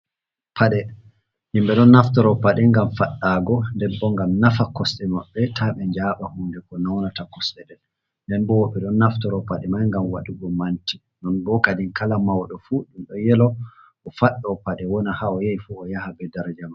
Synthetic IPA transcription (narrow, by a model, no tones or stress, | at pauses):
pʰaɗɛ | himɓɛɗɔnːaftɔɾɔpaɗɛŋɡamfaɗːaɡɔndɛbːɔŋɡamnafakɔsɗɛmaɓːɛtʰaɓɛɲd͡ʒaɓahundɛkɔnawnatakɔsɗɛɗɛl | ndɛnbɔwɔɓɛɗɔnːaftɔɾɔpaɗɛmajŋɡamwa̰ɗuɡɔmanti | nɔnbɔkadiŋkalamawɗɔfuɗumɗɔjɛlɔ | ʔɔfaɗːɔpaɗɛwɔnahaɔjajfuɔjahabɛdaɾad͡ʒama